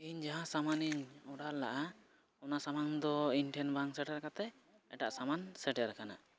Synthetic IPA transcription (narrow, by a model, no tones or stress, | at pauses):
iɲd͡ʒaɦãsamaniɲɔɽaɾla̰ʔa | ɔnasamaŋd̪ɔinʈʰɛnbaŋsɛʈɛɾkat̪ɛ | ɛ̰ʈa̰ʔsamansɛʈɛɾkana̰